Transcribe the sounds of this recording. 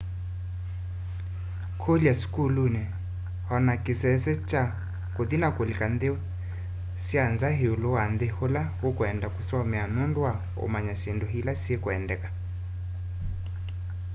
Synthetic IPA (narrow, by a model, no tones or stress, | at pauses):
kʰoliaskulunɛ | hɔnakɪsɛsɛt͡ʃa | koðinakolikandeɔ | sianzaɦeulowand̪eholahokwɛndakusɔmɛanondwa | o̰maɲasendɔɦilasiekwɛndɛkḁ